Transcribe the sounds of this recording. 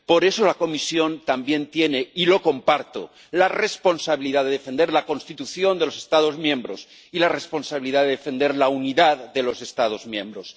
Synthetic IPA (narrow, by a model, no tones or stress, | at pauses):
po̞ɾe̞so̞lako̞misjo̞nt̪ambje̞nt̪je̞ne̞ilo̞ko̞mpaɾt̪o̰ | lare̞spo̞nsaβiliðaðe̞ðefe̞nd̪e̞ɾlako̞nst̪it̪uθjo̞nd̪e̞lose̞̥st̪aðo̞zmjẽ̞mbɾo̞s | ilare̞spo̞nsaβiliðaðeðefe̞nd̪e̞ɾlauniðaððe̞lo̞se̞st̪að̞o̞zmjẽ̞mbɾos